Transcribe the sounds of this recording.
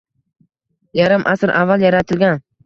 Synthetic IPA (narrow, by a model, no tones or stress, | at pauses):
jaɾɪmʔasɾʔavːalˠjaɾat̪ʰɪlɡʲan